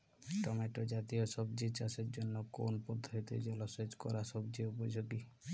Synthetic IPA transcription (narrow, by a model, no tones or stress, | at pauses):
ʈɔmeʈod͡ʒat̪iosɔbd͡ʒit͡ʃaseɾd͡ʒonːokonpɔd̪ʱːoit̪ed͡ʒɔlɔsed͡ʒkɔɾasɔbd͡ʒiupɔd͡ʒoɡi